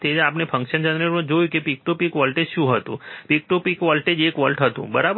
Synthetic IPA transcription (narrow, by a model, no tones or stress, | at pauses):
t̪eapnepʰə̃ŋkʃənd͡ʒə̃nɾeɾõd͡ʒojũkepik̚ʈupikʋɔlʈed͡ʒʃũɦət̪ṵ̃pik̚ʈupikʋɔlʈed͡ʒekʋɔlʈɦət̪ṵ̃bəɾab